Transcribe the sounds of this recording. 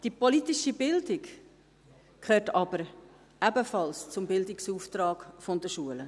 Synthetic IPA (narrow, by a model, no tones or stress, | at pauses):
d̥ipɔlit̪iʃibɪldɪk | kʰøːɾtɑbəɾ | æbəfɑlst͡sʊmbɪld̪ɪksuːft̪ɾɑːkfɔnd̥̪əʃuələ